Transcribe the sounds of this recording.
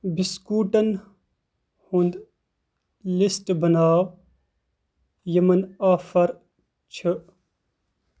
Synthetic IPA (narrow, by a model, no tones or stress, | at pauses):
biskuːʈɐn | hund̪ | lisʈbɐnaːw | jɐmɐnaːfɐɾ | t͡ʃʰɨ